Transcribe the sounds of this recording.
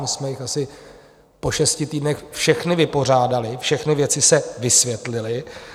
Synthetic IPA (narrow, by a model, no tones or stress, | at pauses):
msmɛjɪxasɪ | po̞ʃɛscɪt̪iːdnɛxfʃɛxnɪvɪpo̞r̝aːdalɪfʃɛxnɪvjɛt͡sɪsɛvɪsvjɛt̪lɪlɪ